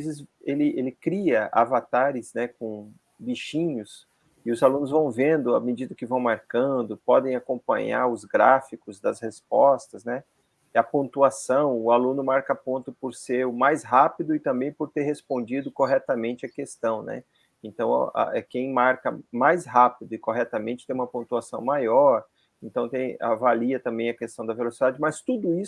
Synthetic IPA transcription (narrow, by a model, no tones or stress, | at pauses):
vezɪzelɪʔelɪkɾiɐʔa̰vat̪aɾɪznɛkõ | biʃĩɲʊs | ɪʊzalũnʊzvɐ̃w̃vẽnd̪ʊɐ̰med͡ʒid̪ɐkɪvɐ̃w̃maɾkɐ̃d̪ʊpɔd̪ẽj̃akõpɐ̰̃ɲa̰ɾʊzɡɾafikʊzd̪ɐzhesp̚ɔst̪ɐznɛ | ɛɐpõnt̪uasɐ̃w̃ʊalũnʊmaɾkɐapõnt̪ʊpoɾseɾʊmajsɦapid̪ʊɪt̪ɐ̃mbẽj̃pʊɾt̪eɾɦespõnd͡ʒid̪ʊkoɦɛt̪ɐmẽnt͡ʃɪɐkest̪ɐ̃w̃nɛ̰ | ẽnt̪ɐ̃w̃ɐ̰a̰ɛkẽj̃maɾkɐmajsɦapid̪ʊɪkoɦɛt̪ɐmẽnt͡ʃɪ̥t̪ẽj̃ũmɐpõnt̪uasɐ̃w̃majɔɾ | ẽnt̪ɐ̃w̃t̪ẽj̃a̰valiɐt̪ɐ̃mbẽj̃ɐkest̪ɐ̃w̃d̪ɐvelosid̪ad͡ʒɪmɐst̪ud̪ʊi